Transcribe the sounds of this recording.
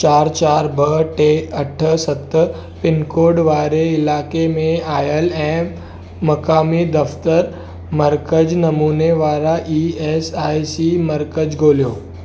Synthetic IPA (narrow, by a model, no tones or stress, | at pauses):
t͡ʃaːɾt͡ʃaːɾbəʈeːɐʈʰsɐt̪ | pɪnkoːɾɖʋaːɾeɪlaːkemẽaːjəlɛ̃ː | mɐkaːmid̪ɐft̪əɾ | mɐɾkəd͡ʑnɐmuːneʋaːɾaʔiːeːsaːisimɐɾkəd͡ʑɡʱoːlijoː